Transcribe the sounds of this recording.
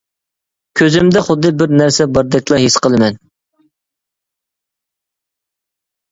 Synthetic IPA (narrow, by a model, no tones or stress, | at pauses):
kʲʰøzɪmd̪ɛχʊd̪ːɨbɪɾnæɾsɛbɑɾd̪ɛk̚ʲlˠɑɦisqəlˠɨmɛn